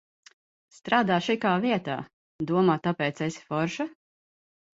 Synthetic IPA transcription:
st̪ɾʔaːd̪aːʃikaːviɛt̪a̰ː | d̪uɔmaːt̪apɛːt̪sesi̥fɔɾʃa

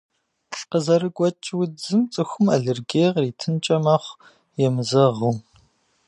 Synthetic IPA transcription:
ɬqəzɐɾɨɡʷʼɔt͡ʃʼwʊd͡zɨmt͡sʼɨxʷʊmaɮɪrɡeːʁriːtʰɨnt͡ʃʼɐmɐχʷ | jɛmɨzɐʁuː

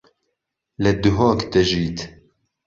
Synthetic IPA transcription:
lɛd̪uɦoːkt̪ɛʒiːt̪

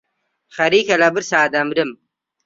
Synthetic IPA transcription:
χɐɾiːkɐlɐbiɾsaːd̪ɐmɾim

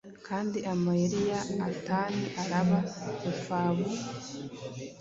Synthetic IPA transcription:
kʰaːndiʔamajiɾijaːtaːniʔaɾaβaufaːβu

